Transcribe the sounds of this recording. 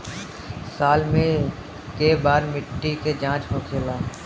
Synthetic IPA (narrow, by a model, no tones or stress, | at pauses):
saːlmẽ | kebaːɾmɪʈːiked͡ʒãːt͡ʃɦoːkʰeːlaː